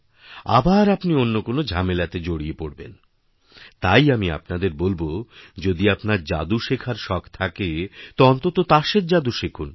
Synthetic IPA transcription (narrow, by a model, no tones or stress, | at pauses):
a̰baɾapnionːokonod͡ʑʱamelat̪ed͡ʑoɽiepoɽbḛn | t̪ajamia̰pnad̪eɾbolbod͡ʑod̪iapnaɾd͡ʑa̰d̪uʃekʰaɾʃɔkʰt̪ʰaket̪oɔnt̪ot̪ot̪aʃeɾd͡ʑad̪uʃekʰun